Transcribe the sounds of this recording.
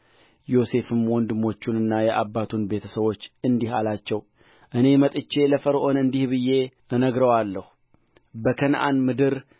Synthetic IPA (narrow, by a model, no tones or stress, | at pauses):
jo̞se̞fɨmwɔnd̪ɨmo̞t͡ʃːunɨnːajɛʔabːat̪ʰunbe̞t̪ʰəsəβo̞t͡ʃːɨnd̪ihalat͡ʃːɛw | ʔɨne̞mət̪ʼɨt͡ʃːe̞ləfəɾʔo̞nɨnd̪ihβɨjːe̞ | ənəɡɾəwalːəhu | bəkʰənʔa̰nmɨd̪ɨɾ